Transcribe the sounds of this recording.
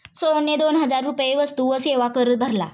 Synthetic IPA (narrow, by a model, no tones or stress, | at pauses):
soɳjed̪onɦəd͡zaɾːupjeʋəst̪uʋəseʋakəɾət̪̚bʱəɾla̰